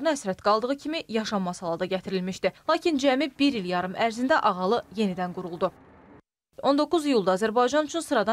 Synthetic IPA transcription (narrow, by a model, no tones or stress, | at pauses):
nɯæsɾæt̪ɡ̥ɑlˠd̪ɯʁɯcʰimijɑʃɑmːɑsɑlˠɑd̪ɑɟæt̪ʰiɾilmiʃd̪ilˠɑːcʰind͡ʒæmibiɾiljɑɾɯmʔæɾzind̪æʔɑʁɑlˠɯje̞nid̪ænɡuɾulˠd̪u | o̞nd̪o̞kːuzijulˠd̪ɑːzæɾbɑjd͡ʒɑnut͡ʃʰynsɯɾɑd̪ɑ